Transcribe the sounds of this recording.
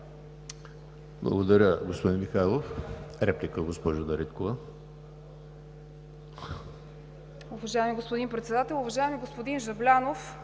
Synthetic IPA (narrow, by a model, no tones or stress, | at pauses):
blˠɐ̰ɡod̪ɐɾʲəɡospod̪inmixaɛlˠofɾɛplʲikəɡospɔʒɐd̪ɐɾit̪kovə | ʊvɐʒaɛmiɡospod̪inpɾɛt̪sɛd̪at̪ɛlˠʊvɐʒaɛmiɡospod̪inʒɐblʲanof